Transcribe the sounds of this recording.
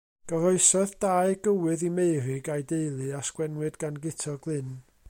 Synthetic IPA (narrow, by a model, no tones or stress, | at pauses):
ɡ̥əɾɔɨsɔðd̥aɨɡ̥əwɨðimejrɨɡajdejlˠɨaskwɛnwɨdɡanɡɪtʰɔɡlˠɪn